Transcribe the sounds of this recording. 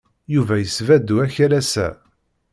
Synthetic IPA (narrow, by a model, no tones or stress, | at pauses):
juvæjəsvæd̪ːuæçælæsæ̰